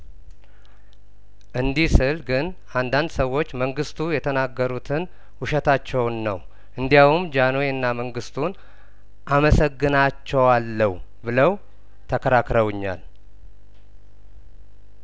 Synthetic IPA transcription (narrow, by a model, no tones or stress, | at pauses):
ʔɨnd̪ihsɨlɡɨn | and̪and̪səwːo̞t͡ʃːməŋɡɨst̪ʰujɛt̪ʰənaɡːəɾut̪ʰɨn | wuʃɛt̪ʰat͡ʃːɛwnːəw | ʔɨnd̪ijawumd͡ʒanoeɨnːaməŋɡɨst̪ʰun | ʔaməsəɡːɨnat͡ʃːɛwalːəwbɨləw | t̪ʰəkʰəɾakɾəwɨɲːa̰l